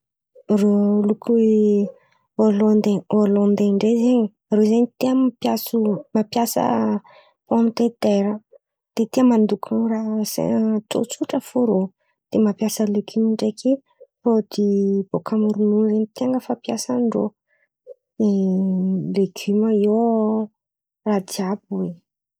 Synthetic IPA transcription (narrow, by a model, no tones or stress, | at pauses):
rolukʰue | olɔ̃nd̪eolɔ̃nd̪eɳɖ͡ʐezeɲi | rozeɲit̪iəmapjasumapjasə̰ | poamit̪et̪eɾə | d̪̥et̪iəmand̪ukʰarasḛt͡s̪o̰t͡suʈ͡ʂəfoɾo | d̪̥emapjasəleɡymiɳɖ͡ʐekʰe | rod̪ib̥okʰamuɾununzeɲit̪iaŋɡəfapjasəɳɖ͡ʐo | e | leɡ̥yməio | rad̪iabuwe